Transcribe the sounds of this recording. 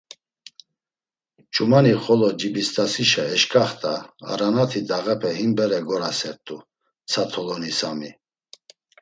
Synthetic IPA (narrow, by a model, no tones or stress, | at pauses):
t͡ʃʰʼumaniχɔlɔd͡ʒibist̪ʼasiʃaɛʃkʰʼaχt̪ʼa̰ːɾanat̪ʰid̪aʁɛpʰɛhimbɛɾɛɡɔɾasɛɾt̪ʼu | t͡sʰat̪ʰɔlɔnisami